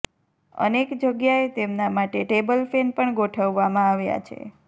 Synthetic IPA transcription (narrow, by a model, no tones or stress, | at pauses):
ə̰nekd͡ʒəɡjaet̪emnamaʈeʈebəlfenpəɳɡoʈʰəʋːamãaʋja̰t͡ʃʰḛ